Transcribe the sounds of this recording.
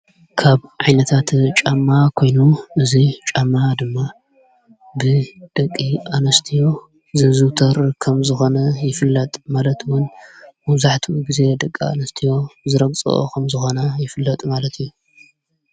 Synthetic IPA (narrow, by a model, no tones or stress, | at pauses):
kʰaβʕajnɐt̪ʰat̪t͡ʃʼamːakʰo̞jnuʔɨzit͡ʃʼamːad̪ɨmːa | bɨd̪̥ɐkʼːiʔanɐst̪ʰijo̞ | zɨzɨt̪ʰɐɾkʰɐmzɨxo̞nɐjɪfɨlːɐt̪ʼmalɐt̪ʰwʊnmɐβzaħt̪ʰiwuɡize̞d̪ɐkʼːia̰nɐst̪ʰijo̞zɨɾɐɡt͡sʼɨ̰ʔo̰kʰɐmzɨxo̞nɐjɪfɨlːɐt̪ʼmalɐt̪ʰɨjːu